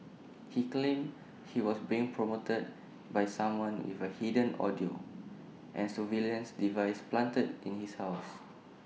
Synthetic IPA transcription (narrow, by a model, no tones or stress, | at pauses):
hiklẽm | hiwɔsbiɪ̃ŋpʰɹomotəd̚ | bajsãmwãnwḭfəhidə̃nɔ̰dio | ʔɛ̰̃nsuviliə̃nsdivajsplãntədʔḭ̃nhishaʊs